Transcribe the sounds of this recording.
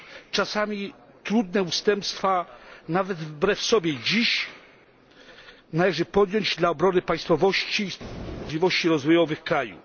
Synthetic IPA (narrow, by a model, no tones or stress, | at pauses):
t͡ʂasamʲi | t̪ɾud̪nɛust̪ɛmpst̪fanavɛd̪vbɾɛfsɔbʲjɛd͡ʑiɕ | nalɛʐɘpɔd̪jɔɲd͡ʑd̪laɔbɾɔnɘpaj̃st̪fɔvɔɕt͡ɕisʲivɔɕt͡ɕiɾɔzvɔjɔvɘxkɾajṵ